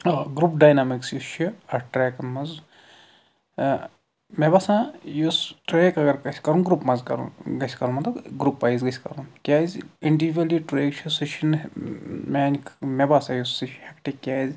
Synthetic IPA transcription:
ɡɾupɖaːjnamiksjuʃʰiɐʈɾeːkɐnmɐz | mebaːsãːjusʈɾeːkɐɡɐɾkɐsʰʲkɐɾũnɡɾupmɐzkɐ̰ɾṵɡɐsʰʲkɐɾunmɐt̪lɐbɡɾupːaːizɡɐsʰʲkɐɾunkʲaːzʲiɳɖiʋɐliʈɾeːkt͡ʃʰɐsiʃɐn | maːnkʰmebaːsãjusiʃhɐkʈekʲjaːzʲ

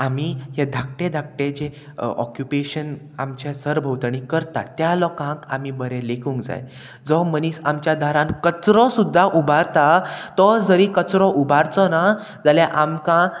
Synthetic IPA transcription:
amihed̪ʱak̚ʈẽd̪ʱak̚ʈẽd͡ʑe | ɔ̰kjupeɕən | a̰mt͡ɕẽsəɾbʱəwt̪añikəɾt̪at̪jalɔkãkamibəɾẽlekʰuŋkd͡za̰j | d͡zɔməniːsamt͡ɕjad̪aɾãnkət͡sɾɔ̃sud̪ʱːaʔubʱaɾt̪at̪ɔd͡zəɾikət͡sɾɔ̃ʔubʱaɾt͡sɔna | d͡zaljaʔamkã

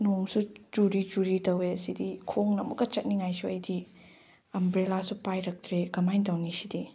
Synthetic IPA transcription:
noŋsud͡ʒuɾid͡ʒuɾitɐwesidikʰoŋnɐmɐkːɐt͡ʃɐt̚niŋajsuɐjdi | ɐmbɾelasupajɾɐk̚tɾeɡɐmajntawnisidi

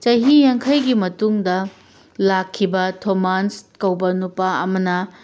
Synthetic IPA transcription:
t͡ʃɐjɦijaŋkʰɐjɡimɐtuŋdɐ | lakʰːibɐtʰomanskɐwbɐnupaɐmɐnɐ

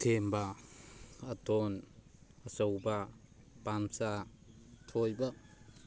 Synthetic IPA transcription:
t̪ʰemba | at̪ɔn | əsowba | pamsa | tʰojba

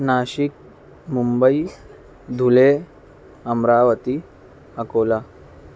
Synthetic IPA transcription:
naɕik̚ | mumbəi | d̪ʱule | əmɾaʋət̪i | əkola

